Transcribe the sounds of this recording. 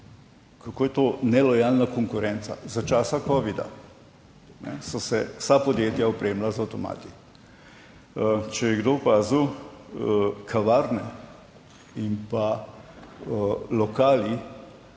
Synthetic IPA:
kakoːjɛt̪onɛlɔjalnakɔŋkʊɾɛnt̪sa̰zat͡ʃaːsakɔːʋid̪a̰ | nɛ̰sɔsɛwsapɔd̪jeːt̪jaɔpɾeːmlazawt̪ɔma̰ːt̪i̥ | t͡ʃɛjɛɡd̪opaːzu | kʰaʋaɾnɛ | impa | lɔkaːli

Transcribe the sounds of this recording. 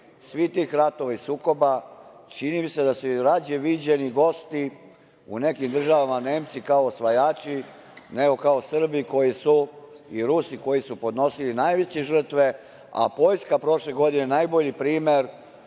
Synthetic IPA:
sʋit̪iːxɾat̪o̞ʋaisuːko̞bat͡ʃinimise̞d̪asuɾad͡ʑeʋid͡ʑeniɡo̞st̪i | ṵne̞kimd̪r̩ʒaʋamane̞ːmt̪sikaoːsʋajaːt͡ʃi | neɡo̞kao̞sr̩biko̞jisu | iɾusiko̞jisupo̞d̪no̞silinajʋet͡ɕeʒr̩t̪ʋe̞ | a̰po̞jskapɾo̞ʃleɡo̞d̪inenajbo̞ʎipɾiːmeɾ

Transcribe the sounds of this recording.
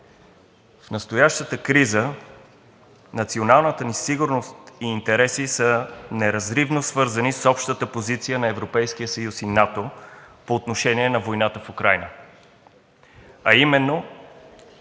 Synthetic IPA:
fnɐst̪ojaʃt̪ət̪əkɾizə | nɐt̪sionalˠnət̪ənisiɡʊɾnost̪iːnt̪ɛɾɛsisənɛɾɐzɾivnosvɤɾzənisɔpʃt̪ət̪əpozit̪sijənɐɛvɾopɛjsk̟ijəsəjusinat̪opoːt̪noʃɛniɛnɐvojnat̪əfukɾajnə | ɐimɛnːo

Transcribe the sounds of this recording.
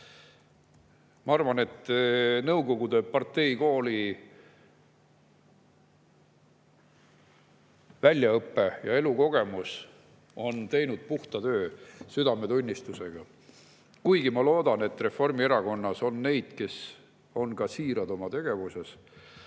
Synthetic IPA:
mɑɑrvɑne̞t̪ːnɤwɡo̞ɡ̥ud̪e̞pɑrt̪ːe̞jko̞ːli | vælʲjɑɤpˑːe̞jɑe̞luko̞ɡ̥e̞mus | o̞nt̪e̞jnud̪̥̚puht̪ɑt̪ø̞ːsyd̪ɑme̞t̪unʲːist̪use̞ɡ̥ɑ | kujɡ̥imɑlo̞ːd̪̥ɑne̞t̪ːre̞fo̞rmieɾɑko̞nːɑso̞nːe̞jd̪̥ke̞s | o̞nkɑsiːɾɑd̪o̞mɑt̪e̞ɡ̥e̞vuse̞s

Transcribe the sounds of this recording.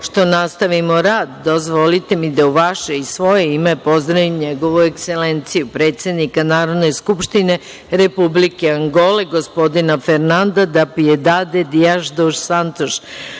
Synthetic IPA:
ʃt̪o̞nast̪aʋimoɾaːd̪ːozʋolit̪e̞mid̪auʋaʃeisʋo̞jeimepo̞zd̪ɾaʋimɲeɡo̞ʋuekselent̪sijupɾe̞ːt̪se̞d̪nikanaːɾo̞d̪ne̞skupʃt̪ine̞ | ɾepublikeaŋɡoleɡo̞spo̞d̪inafeɾnand̪ad̪apijed̪aːd̪ed̪ijaʒd̪oʃsant̪oʃ

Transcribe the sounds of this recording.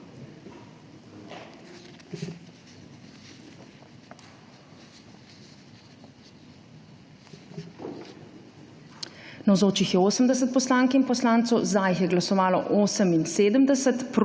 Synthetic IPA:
nawzoːt͡ʃixjɛoːsəmd̪ɛsət̪̚pɔslaːŋkinpɔslaːnt̪sɔwzd̪aːjixjɛɡlasɔʋaːlɔʔoːsəminseːd̪əmd̪ɛsət̪pɾ

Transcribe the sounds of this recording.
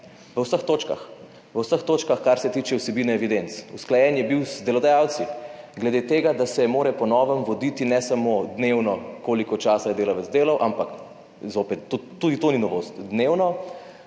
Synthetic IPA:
ʋəwsəxt̪oːt͡ʃka̰x | ʋəwsəxt̪oːt͡ʃkaxkaɾsɛt̪iːt͡ʃɛwsɛbiːnɛɛʋid̪ent̪susklajɛnjɛbiwzd̪ɛlɔd̪ajawt̪siɡlɛd̪eːt̪eːɡad̪asɛmoːɾɛpɔnɔːʋəmʋɔd̪iːt̪inɛsamod̪newnɔkoːlikɔt͡ʃaːsajɛd̪eːlaʋəzd̪eːlawʔampak | zopɛt̪ːot̪ːud̪it̪oninɔʋoːst̪d̪newnɔ

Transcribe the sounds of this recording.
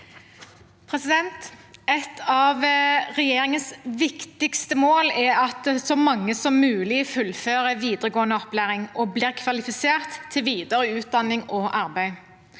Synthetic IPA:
pʰʁɛsɪd̪ɛnt̪ɛt̪ʰɑʋʁɛjeːʁɪŋənsʋɪkt̪ɪkst̪əmoːlɛɑt̪sɔmɑŋːəsɔmːʉːlɪfʉlføːʁəʋiːd̪əʁəɡoːənəɔplæːʁɪŋʔɔbliːʁkʰʋɑlɪfɪseːʁt̪ʰːɪlʋiːd̪əɾəʉːt̪̚d̪ɑnːɪŋɔʔɑʁbæɪ

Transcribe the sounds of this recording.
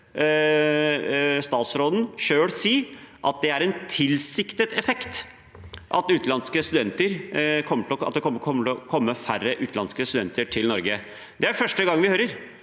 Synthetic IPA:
st̪ɑːt̪sɾoːd̪n̩ʂøːɽsiːʔɑt̪̚d̪ɛæɾɛnt̪ʰɪlsɪkt̪ət̪ɛfɛkt̪ | ʔɑt̪ʉːt̪lɑnskəst̪ʉd̪ɛnt̪əɾkʰɔmːəʈʰɪlɔɑt̪̚d̪ɛkʰɔməkʰɔmːəʈ̪ɪlɔkʰɔmːəfærːəʔʉːt̪lɑnskəst̪ʉd̪ɛ̰nt̪əʈʰɪlnɔɾɡə | d̪ɛæɾfœʂʈəɡɑŋːʋɪhøːɾəɾ

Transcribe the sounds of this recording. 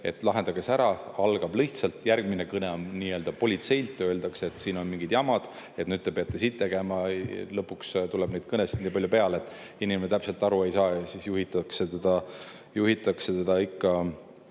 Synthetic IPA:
e̞̰t̪ːˑlɑɦe̞nd̪̥ɑɡ̥e̞sæɾɑɑlɡ̥ɑb̥liht̪sɑlt̪ˑjærɡ̥minekɤne̞oniːø̞ːld̪ɑpo̞lʲit̪se̞jlt̪ːˑøld̪ɑkse̞t̪siːno̞nmiŋɡ̥id̪̥jɑmɑd̪̥ | e̞t̪nyd̪̚t̪e̞peɑt̪ːˑesiːt̪ːe̞ɡ̥emɑlɤpːukst̪ulɛb̥nejd̪̥̚kɤnesitd̪niːpɑlʲjupe̞ɑleet̪ːˑinimenet̪æpse̞lt̪ːˑɑɾue̞jsɑːjɑsisjuɦit̪ːˑɑkset̪ed̪̥ɑ | juɦit̪ːˑɑkset̪ed̪̥ɑikːɑ

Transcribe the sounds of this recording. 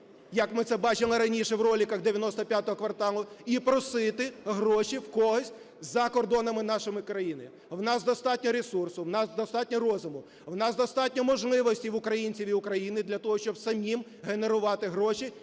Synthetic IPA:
jɐkmɪt̪sɛbɑt͡ʃɪlˠɪɾɐnʲiʃɛwrɔlʲikɐɣd̪eʋʲjɐnɔst̪ɔpʲjat̪ɔɦɔkʋɐrt̪ɑlˠʊipɾɔsɪt̪ɪɦɾɔʃiwkɔɦɔsʲtʲ | zɐkɔrd̪ɔnɐmɪnɑʃɪmɪkɾɐjinɪ | wnɑsd̪ɔst̪ɑtʲnʲɔɾesursʊwnɑsd̪ɔst̪ɑtʲnʲɔrɔzʊmʊ | wnɑsd̪ɔst̪ɑtʲnʲɔmɔʒlˠɪʋɔsʲtʲiwʊkɾɐjinʲt͡sʲiʋʲiʊkɾɐjinɪd̪lʲɐt̪ɔɦɔʃt͡ʃɔbsɐmʲim | ɦene̞ɾʊʋɑt̪ɪɦɾɔʃi

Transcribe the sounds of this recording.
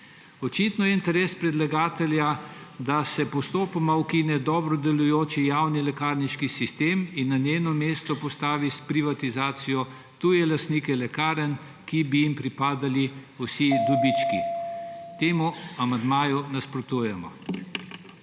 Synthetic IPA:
ɔt͡ʃit̪nɔjɛint̪ɛɾeːspɾɛd̪laɡaːt̪ɛljad̪asɛpɔst̪oːpamauwkinɛd̪ɔːbɾɔd̪ɛlujoːt͡ʃijawnilɛkaːɾniʃkisist̪eːminːaneːnɔmeːst̪ɔpɔst̪aːʋispɾiʋat̪izaːt̪sijɔ | t̪ujɛlast̪nikɛlɛkaːɾən | kibijimpɾipaːd̪aliusid̪ɔbit͡ʃkḭ | t̪eːmuamand̪maːjunaspɾɔt̪uːjɛmɔ̰

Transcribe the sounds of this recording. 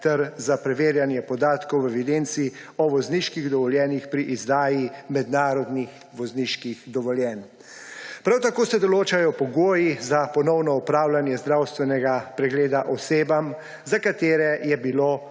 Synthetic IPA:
t̪ɛɾzapɾɛʋeːɾjanjɛpɔd̪aːt̪kɔwɛʋid̪ent̪si | ɔʋɔzniʃkiɣd̪ɔʋɔljɛːnixpɾiʔizd̪aːjimɛd̪naːɾɔd̪nix | ʋɔzniʃkixd̪ɔʋɔljɛːn | pɾawt̪akoːsɛd̪ɔloːt͡ʃajɔpɔɡoːjizapɔnɔwnɔupɾaːwlanjɛzd̪ɾawst̪ʋɛnɛɡapɾɛɡleːd̪aʔɔseːbam | zakat̪eːɾɛjɛbiloː

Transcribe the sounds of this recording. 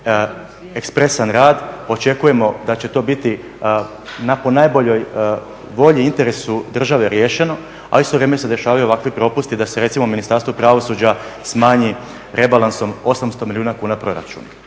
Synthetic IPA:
e̞kspɾe̞sanɾaːd̪o̞t͡ʃe̞kuje̞mo̞d̪at͡ɕe̞t̪o̞bit̪i | napo̞naːjbo̞ʎo̞j | ʋo̞ʎiint̪e̞ɾe̞sud̪r̩ʒaʋe̞ɾje̞ːʃe̞no̞ | a̰ist̪oɾemeose̞d̪e̞ʃaːʋajuoʋakʋipɾo̞pust̪id̪ase̞ɾet̪simo̞minist̪aɾst̪ʋopɾaʋo̞suːd͡ʑasmaːɲi | ɾʔe̞balˠanso̞mo̞samst̪o̞miliuːnakuːnapɾo̞ɾa̰t͡ʃṵna

